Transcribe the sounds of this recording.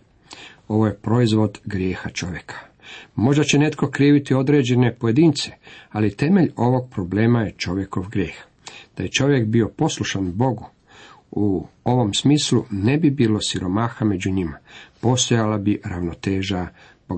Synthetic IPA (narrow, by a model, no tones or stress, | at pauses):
o̞ʋo̞je̞pɾo̞izʋo̞d̪ɡɾje̞ːxat͡ʃo̞ʋje̞kʰḁ | mo̞ʒd̪at͡ɕene̞t̪ko̞kɾiːʋit̪io̞d̪ɾe̞ːd͡ʑe̞ne̞po̞je̞d̪iːnt̪se̥alit̪e̞me̞ʎo̞ʋo̞ɡ̚pɾo̞ble̞ːmaje̞t͡ʃo̞ʋje̞ko̞ʋɡɾjeːx | d̪̥aje̞t͡ʃo̞ʋje̞kbio̞po̞sluʃanbo̞ɡu | uo̞ʋo̞msmiːslune̞bibiːlo̞siɾo̞maːxame̞d͡ʑuɲimapo̞st̪o̞jalabiɾaʋno̞t̪e̞ːʒa | boɡ